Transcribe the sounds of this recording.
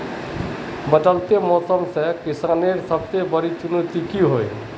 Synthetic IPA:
bəʈəlt̪emɔːsəmsekisaːneɾsəb̚t̪ebəɾit͡ʃunut̪ikiɦoj

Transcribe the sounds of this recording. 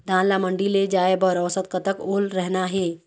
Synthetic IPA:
d̪ʱãnlaməɳɖiled͡ʑajebəɾəʋsət̪̚kət̪əkolɾɛɦnaːɦe

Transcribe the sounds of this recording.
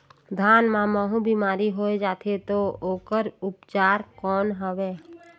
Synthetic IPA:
d̪ʱaːnmãməɦũbimaːɾiɦoːed͡ʒaːt̪ʰet̪ooːkəɾʊpt͡ʃaːɾkɔːnɦəʋeː

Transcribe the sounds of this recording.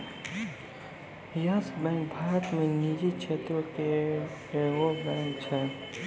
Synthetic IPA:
jaːsbɛ̃ːŋkbʱaːɾət̪mẽniːd͡ʒit͡ʃʰeːt̪oke | ʋobɛ̃ːŋkt͡ʃʰɛ

